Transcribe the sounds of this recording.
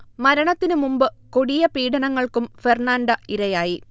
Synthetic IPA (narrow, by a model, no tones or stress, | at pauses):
mɐɾɐɳɐt̪ːinɨmumbɨkoɽijɐpiːɽɐnɐŋːɐɭkumferɳaːɳɖɐiɾɐjaːji